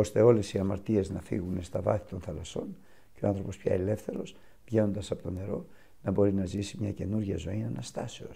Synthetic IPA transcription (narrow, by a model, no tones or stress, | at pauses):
o̞st̪e̞o̞le̞siɐmɐɾt̪ie̞znɐfḭɣunest̪ɐvɐθi̥t̪o̞nθɐlɐso̞n | ceoɐ̃nθɾo̞po̞spçɐ̰ele̞fθe̞ɾo̞s | vʝe̞no̞nd̪ɐsɐpo̞t̪o̞ne̞ɾo̞ | nɐbo̞ɾinɐzisimɲɐce̞nuɾʝɐzo̞inɐnɐst̪ɐse̞o̞̰s